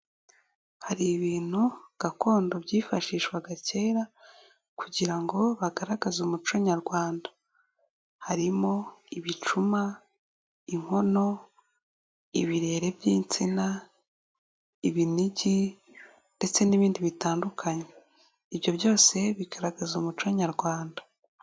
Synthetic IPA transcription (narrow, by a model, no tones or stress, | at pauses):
haɾiβiːn̥huɡ̥ako̞ːndo̞bɟiːfaʃiːʃwaɡace̞ːɾa | kuɟiɾaŋɡo̞βaɡaɾaɡazumut͡ʃo̞ɲaɾɡwaːnda | haɾimo̞iβit͡ʃuma | iŋ̥ho̞no̞ | iβiɾe̞ːɾe̞bjiːnt͡sina | iβiniɟi | nde̞t͡se̞niβiːndiβitaːndukʰaɲe | iβjo̞bjo̞ːse̞βiɡaɾaɡazomut͡ʃoɲaɾɡwaːndḁ